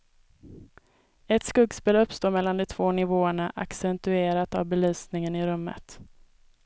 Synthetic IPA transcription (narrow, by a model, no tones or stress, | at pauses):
ɛt̪skɵɡspeːlɵpːst̪oːɾmɛlːand̪ɔt̪ʰvoːnɪvoːəɳaʔa̰ksɛnt̪ɵeːɾat̪avbɛlyːsnɪŋənɪɾɵmːə̰t̪